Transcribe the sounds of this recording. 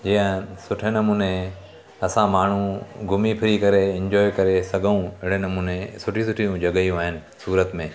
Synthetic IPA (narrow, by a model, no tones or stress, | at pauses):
d͡ʑijə̃sʊʈʰenɐmuːne | ɐsãmaːɳ̤ũɡʱʊmipʰɪɾikɐɾeɪ̃ɲd͡ʑɔːjkɐɾesɐɡʱəũɪɽ̃enɐmuːnesʊʈʰĩsʊʈʰijũd͡ʑɐɠəjũaːɦɪnɪ̆ | suːɾət̪mẽː